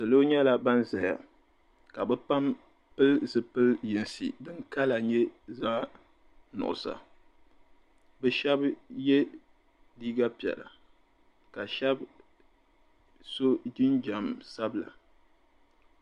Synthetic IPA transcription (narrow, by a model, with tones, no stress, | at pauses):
sɨ˨lo˦ɲɛ˦la˦ba˦nza˨ja̰˨ | ka˨bɛ˦pa˦m | pɨ˦lzɨ˨pɨ˦lji˨n˨sḭ˨dɨ˦ŋka˦la˨ɲɛ˦za˦ | nʊ̰˨ʔʊ̰˨sa̰˨ | bɛ˦ʃɛ˦bjɛ˦ | diː˦ɡa˦pi˨ɛ̰˨la̰˨ | ka˨ʃɛ˦b | so˦d͡ʒi˦nd͡ʒa˨msa˦bla̰˨